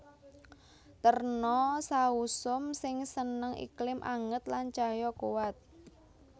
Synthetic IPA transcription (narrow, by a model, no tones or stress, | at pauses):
t̪ərnɔsausʊmsɪŋsənəŋʔḭklɪmʔa̰ŋət̪lant͡ʃajɔkuwat̪̚